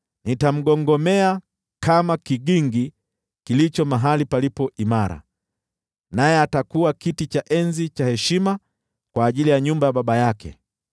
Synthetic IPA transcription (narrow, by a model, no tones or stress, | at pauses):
nitam̩ɠɔŋɡɔmɛa | kamakiɠiŋɡi | kilit͡ʃɔmaɦalipalipɔʔimaɾa̰ | najɛatakuakitit͡ʃaʔɛnzit͡ʃahɛʃima | kwaːʄilijaɲumbajaɓaɓajakɛ̰